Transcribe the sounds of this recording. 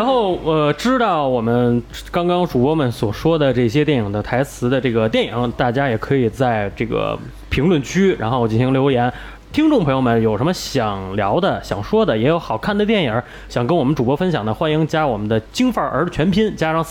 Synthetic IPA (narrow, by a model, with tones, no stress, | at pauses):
ɻa˧˥nxo˥˩ʊə˧ʈ͡ʂɻ̩˥t̪ɑ˥˩ʊwɔ˨˩mə˦n | kɑ˥ŋkɑ˥ŋʈ͡ʂu˨˩pwɔ˥mə˨˩nswɔ˨˩ʂwɔ˥d̪ə˨ʈ͡ʂɤ˥˩ɕ̬jɛ˥t̪̬jɛ˥˩ni˨˩ŋd̪ə˦t̪ʰa˧˥ɪt͡sʰɹ̩˧˥d̪ə˧ʈ͡ʂɤ˥˩ɡə˩t̪jɛ˥˩ni˨˩ŋ˦˧t̪a˥˩t͡ɕja˥jɛ˨˩kʰɤ˧˥i˨˩t͡sa˥˧ɪʈ͡ʂɤ˥˩ɡə̰˩ | pʰi˧˥ŋlwə˥˩nt͡ɕʰy˥ɻa˧˥nxo˥˧ʊwt͡ɕi˥˩ɕʰi˥ljo˧˥ʊjɛ˧˥n | t̪ʰi˥ŋʈ͡ʂʊ˥ŋpʰɤ˧˥ŋjo˧mə˨˩njo˨˩ʊʂə˧˥nmə˧ɕjɑ˨˩ŋljɑ˧˥ʊd̪ə˨ɕjɑ̰˨˩ŋʂwɔ˥d̪ə˨jɛ˧˥jo˧˥ʊxɑ˨˩ʊkʰa˥˩nd̪ə˩t̪jɛ˥˩nə˨˩˦ | ɕjɑ˨˩ŋkə˥nwɔ˨˩mə˦nʈ͡ʂu˨˩pwɔ˥fə˥nɕjɑ˨˩ŋd̪ə˦xwa˥ni˧˥ŋt͡ɕja˥wɔ˨˩mə˦nd̪ə˧t͡ɕi˥ŋfə˞˥˧˩ʔə̰˞˧˥t͡ɕʰɥɛ˧˥npʰi˥nt͡ɕja˥ʂɑ˥˧ŋ